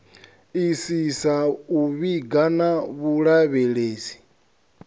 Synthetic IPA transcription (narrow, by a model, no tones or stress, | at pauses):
isisauβiɡanaβuɺaβɛɺeːsi̥